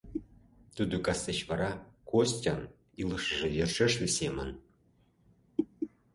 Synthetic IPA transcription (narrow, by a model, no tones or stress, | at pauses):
t̪ud̪ukɑset͡ɕβɑɾɑkosʲtʲɑn | ilɤʃəʒĕjerʃĕʃlʲisʲemə̆n